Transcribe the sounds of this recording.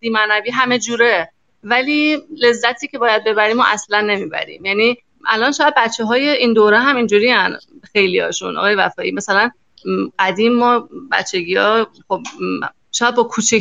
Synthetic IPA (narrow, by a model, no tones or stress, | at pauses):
d̪̥iːmænæbiːɦæme̞d͡ʒuːɾe | væliːle̞zːæt̪ʰiːcʲʰe̞bɒːjæd̪̚be̞bæɾiːmoʔæslænːe̞miːbæ̰ɾḭːmjæniː | ʔæ̰lɒnʃɔːjæd̪̚bæt̪t͡ʃʰːeɦɒːje̞ʔind̪oːɾeɦæmind͡ʒuːɾiːænxe̞jlijɒ̰ːʃṵnʔɒ̰ɣɒːjevæ̰fɒːʔiːmæsælæn | ɢ̥æd̪iːmːɒːbæ̰t̪t͡ʃʰːe̞ɡiːɒːxob̚ | ʃɒːjæd̪̚bɒːkʰuːt͡ʃʰe